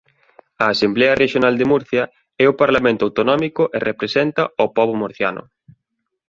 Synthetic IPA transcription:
ɐːsemblɛɐreʃjonald̪emuɾθjɐ | ɛʊpaɾlamẽnt̪ʊawt̪onɔmikʊʔerʔepɾesɛnt̪ɐopɔβ̞omoɾθja̰nʊ̰

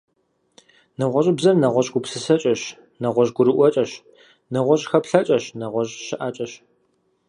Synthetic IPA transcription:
nɐʁʷɔʒʼɪbzɐrnɐʁʷɔɕɡʷʊpsɨsɐt͡ʃʼɐɕ | nɐʁʷɔʑɡʷʊɾɨʔʷɔt͡ʃʼɐɕ | nɐʁʷɔɕʼxɐpɬɐt͡ʃʼɐɕnɐʁʷɔʑʃɪʔat͡ʃʼɐɕ

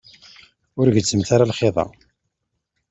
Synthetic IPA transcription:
ʊɾʝət͡sːəmt̪aɾalχeðˤɑ̰

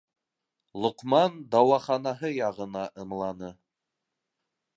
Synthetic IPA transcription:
lˠŏqmɑnd̪ɑwɑχɑnɑɦɤjɑʁɤ̆nɑʔɤ̆mlˠɑnɤ

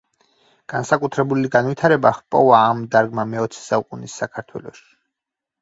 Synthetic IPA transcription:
ɡ̥ansakʼut̪ʰɾɛbuliɡanvwit̪ʰaɾɛbaχpʼɔvaːmd̪aɾɡmamɛɔt̪sʰɛ̥saukʼunisːakʰaɾt̪ʰwɛ̰lˠɔʃi̥

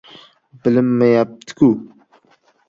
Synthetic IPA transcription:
bɪlɪmːɪjap̚t̪ʰɪ̥kʲu

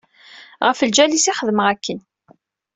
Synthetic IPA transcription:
ʁəfəld͡ʒælisiχəðəməʁækːən

